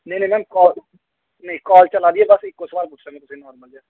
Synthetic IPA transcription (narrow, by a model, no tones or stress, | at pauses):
nẽnẽmɛːmkɔːl | neikɔːlt͡ʃəlaːd̪iɛbəsɪkːosbaːlbʊʈʰɾẽŋet̪ʊsẽnɔːɾməld͡ʒaː